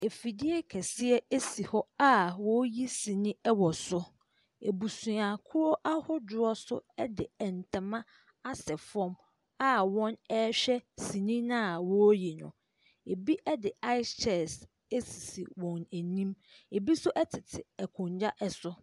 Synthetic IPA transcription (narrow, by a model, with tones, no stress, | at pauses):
e˨fi˨dɪ˦ɛ˦kʰɛ˨sɪ˦ɛ˦e˦si˨hɔ˦a˦wɔ˦ji˦sĩ˨nĩ˦ɛ˦wɔ˨sʊ˦ | ḛ˨bu˨sũ˨a˨kʰʊ˦ɾɔ˦ʔa˦hʊ˦dʊ˨ɔ˦sʊ̰˦ɛ˦dɪ˨ɛ˨n̩˨tʰã˨mã˦ | a˦sɛ˨fɔ̃˦m | a˦wɔ̃˦nɛ˦ɕᶣɛ˦si˨nĩ˦nã˦˨wɔ˦ji˨nʊ̰̃˨ | e˨bi˦ʔɛ˦dɪ˨a˦ɪ˦t͡ʃʰɛ˨s | e˦si˨si˨wɔ̃˨næ˨nĩ˦m | e˨bi˦sʊ˦ʔɛ˦tʰɪ˨tʰɪ˨ɛ˨kʰʊ̃˨ɲd͡ʑa˦ʔɛ˨sʊ˦